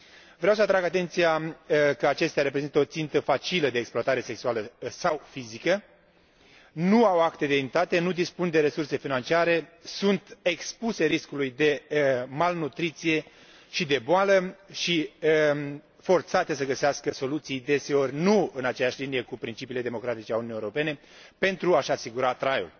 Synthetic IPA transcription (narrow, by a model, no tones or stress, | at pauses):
vɾeaws̬əat̪ɾaɡat̪e̞nt̪sijakəat͡ʃe̞st̪eaɾe̞p̬ɾe̞zint̪əo̞t̪sint̪əfat͡ʃiləd̪e̞ːksploat̪aɾe̞se̞ksualəsawfizikə | nuawakt̪e̞d̪eimt̪at̪e̞nud̪ispund̪e̞ɾe̞surse̞finant͡ʃiaɾe̞sunt̪ekspuse̞ɾiskulujd̪e̞malnut̪ɾit̪sije̞ | ʃid̪e̞boaləʃi | fo̞rt̪sat̪e̞səɡəseaskəso̞lut̪sijd̪e̞se̞o̞rʲnuɨnat͡ʃejaʃlinije̞kupɾint͡ʃipiːle̞d̪e̞mo̞kɾat̪it͡ʃeaunuijeoɾopene̞ | pe̞nt̪ɾuaʃasiɡuɾat̪ɾajo